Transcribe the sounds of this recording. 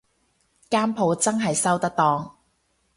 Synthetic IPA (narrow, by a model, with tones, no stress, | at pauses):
kaː˥mpʰo˨˧wt͡sɐ˥ŋɦɐ˨jsɐ˥wt̪ɐ˥k̚t̪ɔː˧ŋ